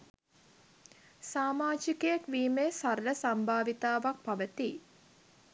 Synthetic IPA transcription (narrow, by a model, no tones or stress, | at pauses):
saːmaːd͡ʒikəjekʋiːmeːsaɾləsambʱaːʋit̪aːʋak̚paʋət̪i